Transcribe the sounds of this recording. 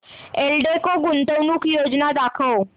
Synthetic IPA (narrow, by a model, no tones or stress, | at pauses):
eːlɖekoɡʊnt̪əwnukjoːd͡ʒnad̪aːkʰoː